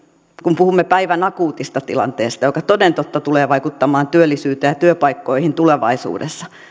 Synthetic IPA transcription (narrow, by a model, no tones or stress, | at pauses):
kumpuhumːepæiʋænɑkuːt̪ist̪ɑt̪ḭlɑ̰nt̪eːst̪ɑjokɑt̪odent̪ot̪ːɑt̪uleːʋɑikut̪ːɑmɑːnt̪yølːisyːt̪ejɑt̪yøpɑikːoihint̪uleʋɑ̰isṵːdḛsːɑ̥